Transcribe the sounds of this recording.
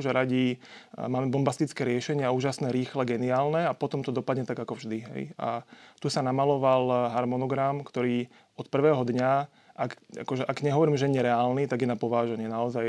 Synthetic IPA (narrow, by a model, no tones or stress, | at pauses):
ʒɛɾaɟimaːmɛbɔmbast̪it͡skɛːɾɪɛʃɛɲɪauːʒasnɛːɾiːxlɛɡɛniaːlnɛapɔt̪ɔmt̪ɔd̪ɔpad̪ɲɛt̪aɡakɔvʒd̪iɦɛ̰ja̰t̪usanamalɔʋalɦaɾmɔnɔɡɾamkt̪ɔɾiː | ɔt̪̚pr̩ʋɛːɦɔd̪ɲa | ʔaka̰kɔʒɛʔaɡɲɛɦɔʋɔɾiːmʒɛɲɛɾɛaːlnit̪aɡjɛnapɔʋaːʒɛɲɪɛnaɔzaj